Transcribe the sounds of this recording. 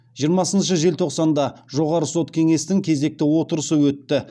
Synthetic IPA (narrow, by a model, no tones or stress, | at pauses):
ʒijəɾmɑsənʃəʒe̞lt̪ʰo̞qsɑnd̪ɑʒo̞ʁɑɾəso̞t̪kʲʰe̞ŋe̞st̪ɪŋkʲʰe̞ze̞k̚t̪ɪwo̞t̪əɾəsəwɵt̪ːɪ